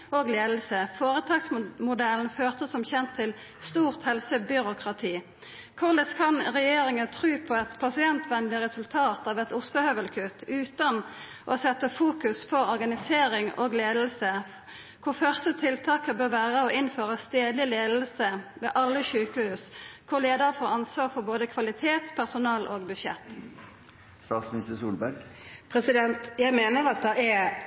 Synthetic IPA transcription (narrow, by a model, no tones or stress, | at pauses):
oːɡleːd̪l̩səfoːʁət̪ʰɑːɡsmʊd̪ɛlnføːʁt̪əsɔmçɛnt̪ʰːɪl | st̪uːʁt̪hɛlsəbʏɾʊkʁɑt̪ʰiː | kʰʊʁləskʰɑnʁɛjeːɾɪŋənt̪ʰʁʉːpʰɔɛt̪pʰɑsɪɛnt̪ʰʋɛnlɪʁɛsʉlt̪ʰɑːt̪ɑːʋɛt̪ʊst̪əhœʋəlkʰʉt̪ʰːʉːt̪ɑn | ʔɔsɛt̪ːəfuːkʉspʰɔɔʁɡɑnɪseːʁɪŋo̰ːɡleːd̪l̩sə | kʰʊʁfœʁst̪ət̪ʰɪlt̪ʰɑːkəbøːʁʋæːʁəɔʔɪnføːʁəst̪eːd̪lɪleːd̪l̩səʋḛːʔɑlːəçʉːkəhʉːskʰʊʁleːd̪əʁfoːɑnsʋɑːʁfɔʁboːd̪əkʰʋɑlɪt̪ʰeːt̪pʰæʁsʊnɑːlʔoːɡbʉʃɛ̰t̪ː | st̪ɑːt̪smɪnɪst̪əsuːlbæɾɡpʰɾɛsɪd̪ɛnt̪jæɪmeːnəɾɑt̪̚d̪ɑɛ